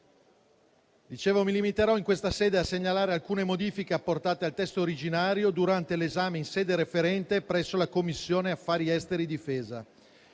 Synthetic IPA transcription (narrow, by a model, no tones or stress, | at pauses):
d̪it͡ʃeːvomilimit̪eɾɔiŋkwest̪asɛːd̪easeɲːalaːɾealkuːnemod̪iːfikeapːort̪aːt̪ealt̪ɛst̪ooɾid͡ʒinaːɾjod̪uɾant̪elezaːmeinsɛːd̪eɾefeɾɛnt̪epɾɛsːolakomːisːjoːneafːaːɾiɛst̪eɾid̪ifeːza